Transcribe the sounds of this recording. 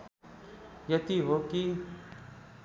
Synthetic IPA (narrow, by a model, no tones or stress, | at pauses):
jət̪iːɦoːkiː